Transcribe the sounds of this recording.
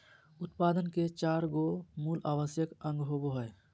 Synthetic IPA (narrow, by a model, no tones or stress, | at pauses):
ʊt̪paːd̪ənket͡ʃaːɾɡomuːlaːwəsjəkə̃ŋɡɦoboɦəe